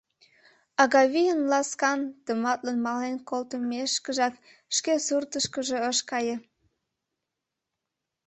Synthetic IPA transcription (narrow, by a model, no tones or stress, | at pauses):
ɑɣɑβijənlɑskɑnt̪əmɑt̪lənmɑlenkolt̪əmeʃkəʒɑk | ʃkesurt̪əʃkəʒeəʃkɑjə